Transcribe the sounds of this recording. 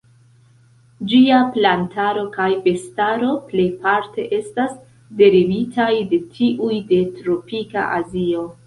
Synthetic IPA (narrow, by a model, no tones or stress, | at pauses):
d͡ʒiaplantaɾo̞kajbe̞staɾo̞ple̞jpaɾte̞ʔe̞stas | de̞ɾivitʰajde̞tʰiʔujde̞tɾopika̰ʔazio̞